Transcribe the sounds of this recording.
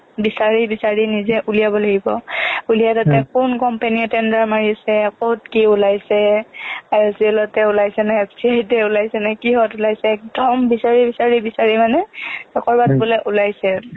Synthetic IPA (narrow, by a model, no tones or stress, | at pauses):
bisaɹibisaɹinizɛʔulijabɔlaɡibɔulijatɔtɛkunkɔmpeniɛtɛndaɹmaɹisɛkɔtkiulajsɛaɔsiɛlɔtɛulajsɛnaɛpʰsiajtɛulajsɛnakiɦɔtʊlajsɛːk̚dɔmbisaɹibisaɹibisaɹimanɛsɔkɔɹbat̚bɔlɛʔulajsɛ